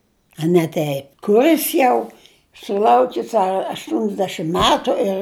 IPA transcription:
ɐ nʲɛ ˈtʲɛɪp kʊˈrʲɪs jɛʊ sʊˈlˠɐʊkʲɪs ɐ ɐʃtʊnʲzʲˈdʲæːʃʲɪm ˈmʲæːtʊ ɪr

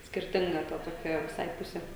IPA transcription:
sʲkʲɪrʲˈtʲɪŋɡɐ ˈtɐ toːˈkʲɛ ʋʲɪˈsɐɪ ˈpʊsʲɛ

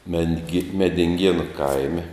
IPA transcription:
mʲɛŋʲɡʲɪ mʲɛdʲɪŋʲˈɡʲiɛnʊ ˈkɐɪmʲɛ

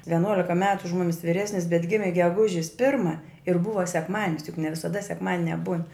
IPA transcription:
ʋʲɛˈnuɔlʲɪkɐ ˈmʲæːtʊ ʊʃ ˈmʊmʲɪs ʋʲɪˈrʲæːsʲnʲɪs bʲɛt ˈɡʲɪmʲɪ ɡʲɛˈɡʊʒʲɪs ˈpʲɪrmɐ ɪr ˈbʊʋɐ sʲɛkˈmɑːdʲɪnʲɪs jʊk nʲɛ ʋʲɪsɐˈdɐ sʲɛkˈmɑːdʲɪnʲɛ buːn

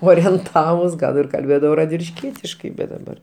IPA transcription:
oːrʲiɛnˈtɑːʋʊs ˈɡɐlˠ ɪr kɐlʲˈbʲeːdɐʋɐʊ rɐdʲʋʲɪlʲɪʃʲˈkʲiɛtʲɪʃkɐɪ bʲɛt dɐˈbɐr

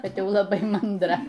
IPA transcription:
ˈkɐt ˈjɛʊ lˠɐˈbɐɪ mɐndˈrɐ

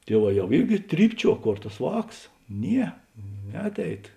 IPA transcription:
ˈtʲiɛˌʋɑː ˈjɛʊ ˈɪrʲɡʲɪ ˈtʲrʲiːpʲˌt͡ʃʲuɔ ˈkoːr tɐs ˈʋɑːks ˈnʲiɛ ˈnʲɛɐtʲˌɛɪt

